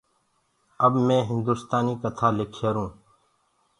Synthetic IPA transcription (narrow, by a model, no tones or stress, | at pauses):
əbmẽːɦɪnd̪uːst̪aːniːkət̪ʰaːlɪkʰeːɾũː